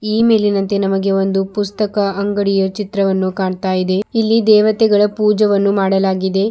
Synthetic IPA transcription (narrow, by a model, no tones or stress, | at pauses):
iːme̞ːlinɐnt̪e̞nɐmɐɡe̞o̞nd̪upust̪ɐkɐːŋɡɐɽijɐt͡ʃit̪ɾɐʋɐnːukaːɳt̪aːjid̪e̞ilːid̪ɛːʋɐt̪ɛɡɐɭɐpuːd͡ʒɐʋɐnːumaːɽɐlaːɡid̪e̞